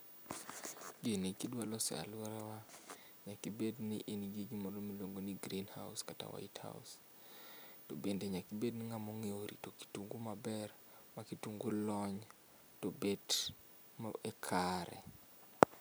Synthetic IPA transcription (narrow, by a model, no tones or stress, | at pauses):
ɡinikidwalɔsa̰laɾawa | ɲakibedniʔiniɡiɡimɔɾomiloŋɡoniɡɾinha̰ʊskata̰wa̰itha̰ʊ̰s | tobendeɲakibednɪŋamɔŋeoɾḭtoki̥tuŋɡumabɛr | makituŋɡulɔɲ | tobed | maɛkʰaɾɛ̰